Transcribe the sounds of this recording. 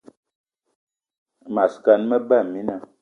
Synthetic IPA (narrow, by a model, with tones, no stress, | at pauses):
ma˨ska˨n˦mə˦ba˦˨mi˦na˦˨